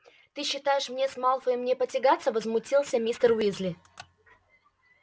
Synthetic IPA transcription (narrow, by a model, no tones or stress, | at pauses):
t̪ɨɕːɪt̪ajɪʂmnʲesmalˠfəɪmnʲepətʲɪɡat̪səvəzmʊtʲilˠsʲəmʲist̪ərwʲizlʲɪ